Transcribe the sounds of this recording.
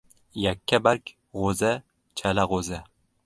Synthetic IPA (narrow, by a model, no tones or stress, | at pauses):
jakʲʰːabaɾkʲ | ʁoza | t͡ʃʰalaʁoza